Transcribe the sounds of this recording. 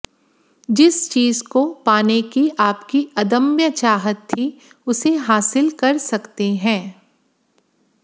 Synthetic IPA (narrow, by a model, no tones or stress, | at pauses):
d͡ʒɪst͡ʃiːzkopaːnekiʔaːpkiɐd̪ə̃mjət͡ʃaːɦət̪ʰːi | ʊseɦaːsɪlkɐɾsɐkt̪eɦɛ̃ː